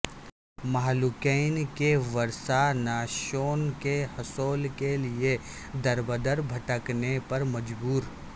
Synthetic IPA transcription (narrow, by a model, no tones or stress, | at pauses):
maɦlʊkɛɪnkeʋɐɾsanaːʃoːnkehɐsoːlkelie | d̪ɐɾbəd̪əɾbʱɐʈəknepɐɾmɐd͡ʒbuːɾ